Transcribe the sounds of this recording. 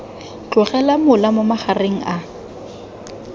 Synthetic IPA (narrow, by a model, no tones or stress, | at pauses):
t͡ɬʊχɛlamʊlamʊmaχareŋ̩ʔa